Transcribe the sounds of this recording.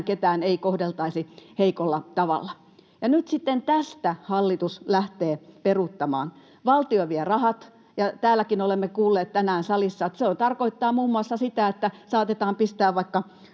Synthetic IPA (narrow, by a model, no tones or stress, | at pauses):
ket̪æːneikohdelt̪ɑisiheikolːɑt̪ɑʋɑ̰lːɑ | jɑnyt̪sit̪ːent̪æst̪æhɑlːit̪uslæht̪eːperut̪ːɑmɑ̰ːn | ʋɑlt̪ioʋierɑhɑt̪ | jɑt̪æːlːˑækinolemːekuːlːeːt̪t̪ænæːnsɑlisːɑet̪seont̪ɑrkoit̪ːɑːmuːmːuɑsːɑsit̪æet̪ːæsɑːt̪et̪ɑːmpist̪æːʋʋɑikːɑ